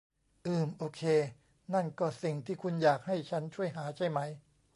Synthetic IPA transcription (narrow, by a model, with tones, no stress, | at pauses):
ʔɯː˨˩mʔoː˧kʰeː˧ | na˥˩nkɔː˥˩si˨˩ŋt̪ʰiː˥˩kʰu˧njaː˨˩k̚ha˥˩jt͡ɕʰa˦˥nt͡ɕʰu˥˩əjɦaː˩˦t͡ɕa˥˩jma˦˥j